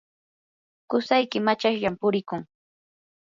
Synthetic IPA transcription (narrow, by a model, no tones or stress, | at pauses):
kʊsajkɪmat͡ʃaʃʎampʊɾɪkʊŋ